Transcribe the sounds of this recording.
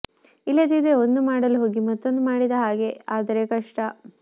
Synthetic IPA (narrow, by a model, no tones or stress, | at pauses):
ilːɐd̪id̪eo̞nd̪umaːɽɐluɦo̞ːɡimɐt̪ːo̞nd̪umaːɽid̪ɐɦaːɡe̞aːd̪ɐɾekɐʂʈɐ